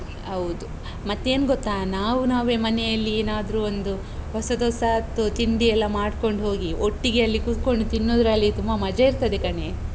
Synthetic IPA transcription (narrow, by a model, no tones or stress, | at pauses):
ɐʋd̪u | mɐt̪ːe̞ːnɡɔt̪ːaːnaːʋunaːʋe̞ːmɐnɛjɐlːieːnaːd̪ɾuond̪u | hɔsɐd̪ɔsat̪ːut̪iɳd̪iɛlːɐmaːɖko̞ɳɖɦo̞ːɡioʈːiɡeɐlːikut̪ko̞ɳɖt̪inːoːd̪ɾɐlːit̪umbɐmɐd͡ʒɐiɾt̪ɐd̪ekɐne